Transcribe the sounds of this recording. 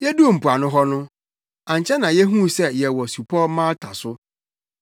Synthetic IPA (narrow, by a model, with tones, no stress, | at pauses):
jɛ˦du˦˨m̩˨pʰu˨a˨nʊ̃˦ɦɔ˦nʊ̃˦ | ã˨ɲ˨t͡ɕʰɛ˦nã˨jɛ˦ɦũ˦sɛ˦jɛ˨wɔ˨su˨pʰɔ˦mã˦tʰa˨sʊ˦